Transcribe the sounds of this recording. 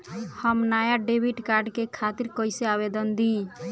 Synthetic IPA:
həmnajaɖebʱiʈkaɾɖkekʰat̪iɾkɔjseabed̪ənd̪ĩ

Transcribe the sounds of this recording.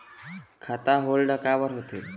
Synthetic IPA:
kʰat̪aɦolɖəkaʋəɾɦot̪e

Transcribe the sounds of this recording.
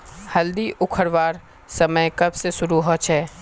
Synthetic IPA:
hɐld̪iʔʊkʰəɾʋaːɾ | sɐməjkɐbsesʊɾuɦot͡ʃʰɛː

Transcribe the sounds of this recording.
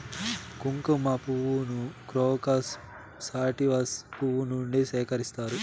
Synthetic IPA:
kuŋkɐmapuʋunukɾoːkaːsː | aːʈiʋaspuʋunuɳɖisɛːkɐɾist̪aːɾu

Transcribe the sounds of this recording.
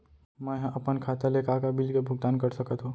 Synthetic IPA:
mɛ̃ɦʔɐpənkʰaːt̪elekaːkabɪlkebʱʊɡ̚d̪aːnkɐɾsɐkət̪ɦoː

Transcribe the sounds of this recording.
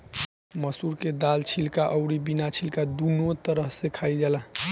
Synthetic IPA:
məsuɾked̪alt͡ʃʰilkaʔəʊɾibinat͡ʃʰilkad̪unot̪əɾəɦsekʰaid͡ʒala

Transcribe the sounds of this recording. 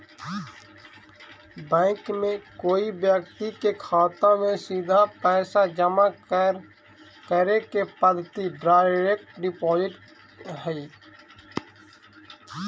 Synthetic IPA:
bɛ̃ːŋkmẽkoːibjəkt̪ikekʰaːt̪ãmẽsiːd̪ʱapɛːsad͡ʒəma | kəɾekepəd̪ʱt̪iɖɾaːɾek̚ʈɖɪpɔːzɪʈ | ɦɛi

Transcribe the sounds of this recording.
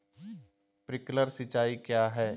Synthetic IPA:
pɾɪkləɾsɪt͡ʃaːikjaːɦɛː

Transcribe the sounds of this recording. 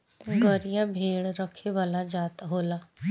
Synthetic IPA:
ɡəɾijãbʱeːɽɾəkʰːeʋaːlad͡ʒaːt̪aɦoːlaː

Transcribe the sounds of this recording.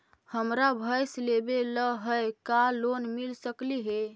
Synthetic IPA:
həmɾabʱəjslebeləɦəjkalonmilsəkliɦe

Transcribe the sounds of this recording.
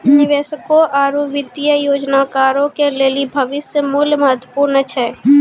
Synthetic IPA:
nɪʋeːsəkoʔaːɾuʋɪd̪jəjoːd͡ʒnakaːɾõkeleːlibʱɐʋɪsjəmʊlməɐɦət̪wəpuːɾnət͡ʃʰɛ

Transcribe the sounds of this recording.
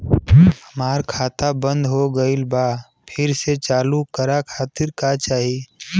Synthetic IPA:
həmaːɾkʰaːt̪abə̃nd̪ɦoɡəɪlbaː | pʰɪɾset͡ʃaːlukəɾakʰaːt̪ɪɾkat͡ʃaːɦie

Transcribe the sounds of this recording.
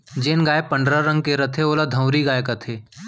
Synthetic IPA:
d͡ʒeːnɡaːepɐ̃ɳɖɾəɾə̃ŋɡ̚keɾɐt̪ʰeoːlad̪ʱə̃ʊɾiɡaːjekɐt̪ʰeː

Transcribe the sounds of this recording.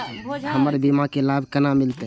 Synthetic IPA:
ɦəməɾbimãkelabʱkənamɪlt̪e

